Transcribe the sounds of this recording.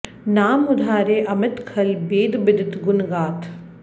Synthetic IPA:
naːmʊd̪ʱaːɾeːʔɐmɪt̪kʰɐlbeːd̪bɪd̪ɪt̪ɡʊnɡaːt̪ʰ

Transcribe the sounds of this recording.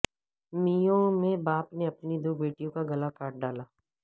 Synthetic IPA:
mijõmẽbaːpneɐpnid̪oːbeːʈijõkaɡɐlakaːʈ̚ɖaːlaː

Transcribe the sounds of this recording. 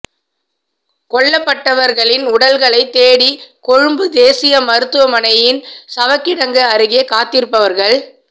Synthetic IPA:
kɔɭːɐpːɐʈːɐʋɐɾɣɐɭɪnʊɽɐlɣɐɭɐɪt̪ːeːɽikɔɻɯmbɯd̪eːsɪjɐmɐɾɯt̪ːɯʋɐmɐnɐjɪnsɐʋɐkːɪɽɐŋɡɯɐɾɯɣɪjɐkaːt̪ːɪɾɯpːɐʋɐɾɣɐɭ

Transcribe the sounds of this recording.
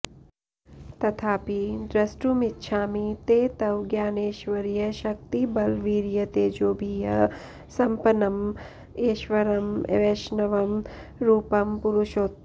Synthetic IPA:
t̪ɐt̪ʰaːpid̪ɾɐsʈumɪtːʃʰaːmit̪eːt̪ɐwɡjaːneːʃʋɐɾjɐʃɐk̚t̪ibɐlʋiːɾjɐt̪eːd͡ʒoːbʱijɐ | sɐmpɐnɐm | eːʃʋɐɾɐmḛʋeʃnɐʋɐm | ɾuːpɐmpʊɾuʃoːt̪ː

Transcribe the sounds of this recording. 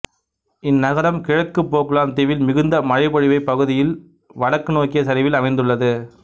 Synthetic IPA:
ɪnːɐɣɐɾɐmkɪɻɐkːɯpːoːkɯɭaːnt̪ɪʋɪlmɪɣɯnd̪ɐmɐɻɐɪpɐɻɪʋɐɪpːɐɣɯðɪjɪl | ʋɐɽɐkːɯnoːkɪjɐsɐɾɪʋɪlɐmɐɪnd̪ɯɭːɐðɯ

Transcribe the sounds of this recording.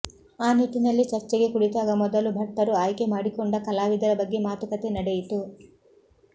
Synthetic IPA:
aːniʈːinɐlːit͡ʃɐɾt͡ʃeɡekuɽit̪aːɡɐmɔd̪ɐlubʱɐɾʈ̪ːɐɾuaːjkemɐɽikuɳɖakɐlaːʋid̪ɐlɐbɐɡːimaːt̪ukɐt̪enɐɽejit̪u

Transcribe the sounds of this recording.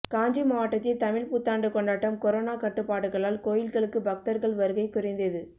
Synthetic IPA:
kaːɲd͡ʒɐmaɐʈːɐt̪ːɪt̪ɐmɪɻput̪ːaːɳɖɯkɔɳɖaːʈːɐmkɔɾoːnaːkɐʈːɯpːaːɽɯɣɐɭaːlkoːjɪlɣɐɭɯkːɯbɐk̚t̪ɐɾɣɐɭʋɐɾɯɣɐɪkːʊrɐɪnd̪ɐðɯ

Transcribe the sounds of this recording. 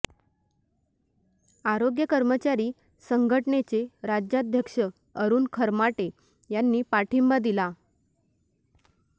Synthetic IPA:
aɾoɡjəkəɾmət͡ɕaɾiː | səŋɡʱəʈɳet͡seɾad͡ʑjad̪ʱjəkʂə | əɾuːnkʰəɾmaʈe | janːiːpaʈʰimbad̪ila

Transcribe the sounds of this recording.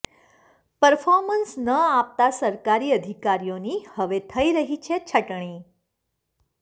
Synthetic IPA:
pəɾfɔɾmənsnəap̚t̪asəɾkaɾiːəd̪ʱikaɾijõniːhəʋet̪ʰəiɾəɦit͡ɕʰet͡ɕʰəʈɳ̃iː

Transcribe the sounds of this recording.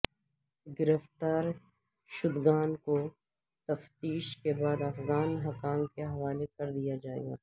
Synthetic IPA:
ɡɪɾəft̪aːɾ | ʃʊd̪ɡaːnko | t̪ɐft̪iːʃkebaːd̪ɐfɣaːnɦɐkaːmkeɦɐʋaːlekɐɾd̪ijad͡ʒaːḛɡa̰ː

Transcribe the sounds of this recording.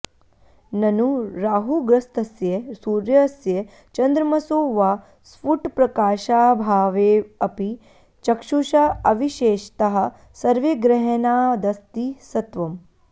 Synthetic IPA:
nɐnuɾaːɦuɡɾɐst̪ɐsjesuːɾjɐsje | t͡ʃɐnd̪ɾɐmɐsoːʋaː | sfuʈpɾɐkaːʃaːbʱaːʋeːɐpi | t͡ʃɐkʃuʃaɐʋiʃeːʃt̪ɐɦɐ̆ | sɐɾʋiɡɾɐɦɐnaːd̪ɐst̪isɐt̪ʋɐm

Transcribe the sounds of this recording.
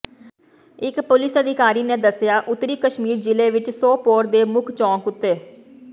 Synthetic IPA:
ɪkpʊlɪsəd̪ɪkaːɾiːneːd̪əsɪjaːʔʊt̪ːɾiːkəʃmiːɾd͡ʒɪleːʋɪt͡ʃsoːpoːɾd̪eːmʊkʰt͡ʃɔ̃ːkʊt̪ːeː

